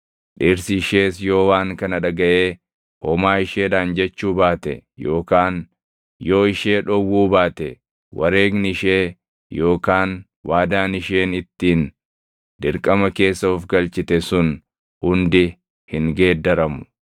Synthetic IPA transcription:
ᶑiːɾsɪʃe̞ːsjo̞ːwaːŋkɐnɐᶑɐɡɐʔeː | hɔmaːɪʃeːᶑaːnd͡ʒɛt͡ʃːuːbaːt̪ɛ̰jo̞ːkaːn | jo̞ːɪʃeːᶑɔwːuːbaːt̪ɛ | wɐ̰ɾe̞ːɡnɪɪʃeː | jo̞ːkaːn | wʔaːd̪aːnɪʃe̞ːnɪt̪ːiːn | d̪̥ɪɾkʼɐmɐke̞ːsːɐʊfɡɐlt͡ʃɪt̪ɛsʊn | hʊnd̪ɪ | hɪŋɡe̞ːd̪ɐɾɐmʊ̥

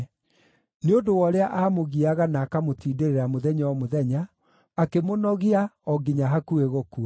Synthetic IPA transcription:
neondowɔɾeaʔaːmoɣiaɣanaːkamotiːdeɾeɾamoðɛɲawɔmoðɛɲaː | kemonɔɣiaɔɡiɲaɦakueɣɔkua

